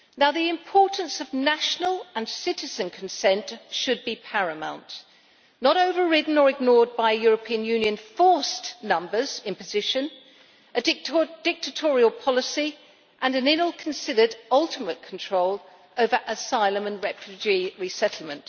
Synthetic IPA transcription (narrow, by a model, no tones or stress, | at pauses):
naʊðiɪ̃mpʰɔɹʔn̩sʌvnæʃnəlˠə̃nsɪɾɨzɨ̃nkʰn̩sɛ̃ntʃɨd̚bipʰæɹɨmã̰ʊ̃nʔ | nəɾoʊvə˞ɹɪdⁿn̩ə˞ɨɡ̚nɔɹd̚baɪjʊɹəpʰĩɨ̃njʉ̃njɨ̃nfɔɹsnʌ̃mbə˞z̥ɪ̃npɨzɪʃɨ̃n | ɨd̚d̥ɪk̚tʰɨtʰɔɹiəlˠpʰɑlˠəsi | ʔə̃nɨ̃nɪ̃nlˠkʰn̩sɪɾə˞ɾʌlˠtʰəmət̚kʰn̩tʰɹ̥oʊlˠ | oʊvə˞ʔəsaɪlˠə̃mə̃nɹɛfjʉd͡ʒiɹisɛtˡl̩ˠmə̃nʔ